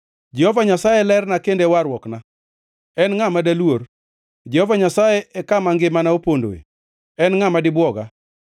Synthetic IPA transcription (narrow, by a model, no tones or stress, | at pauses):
d͡ʒɛhovaɲasajelɛrnakendeɛwaɾwɔkna | ɛnŋamadalwor | d͡ʒɛhovaɲasajeʔɛkamaŋɡɪmanaopondo̰ḛ | ɛnŋamadɪbwɔɡa